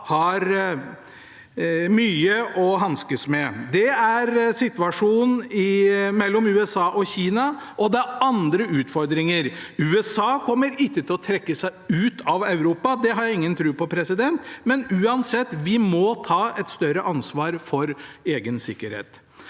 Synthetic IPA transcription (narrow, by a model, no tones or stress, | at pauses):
hɑɾ | myːəʔɔɦɑnskəsmɛd̪ɛæɾsɪt̪ʋɑʂuːnɪmɛlːɔmʉːɛsɑːʔɔçiːnɑʔɔd̪ɛæɾɑnd̪ɾəʉːt̪fɔɾd̪ɾɪŋəɾʉːɛsɑːkʰɔmːəɾɪkːət̪ʰɪlɔt̪ʰɾɛkːəsæɪʉːt̪ʰɑʋɑʉɾuːpɑd̪ɛɦɑɾjæɪŋːənt̪ʰɾʉːpɔpʰɾɛsɪd̪ɛnt̪mɛnʉːɑnsɛt̪ːʋɪmɔt̪ʰɑːɛt̪st̪œɾəʔɑnsʋɑːɾfɔɾeːɡənsɪkːəɾhḛːt̪